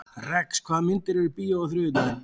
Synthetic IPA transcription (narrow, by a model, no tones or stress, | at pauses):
rɛkskʰvaːðmɪnt̪ɪɾɛɾɪpiːjaaθɾʏːɪt̪a